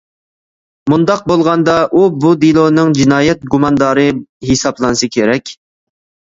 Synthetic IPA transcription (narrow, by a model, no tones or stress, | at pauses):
mund̪ɑq̚bolˠʁɑnd̪ɑʔubud̪ilˠonɨŋd͡ʒinɑːjɛt̪̚ɡumɑnd̪ɑːɾɨɦisɑplˠɑnɨsɨkʲʰeɾɛkʲ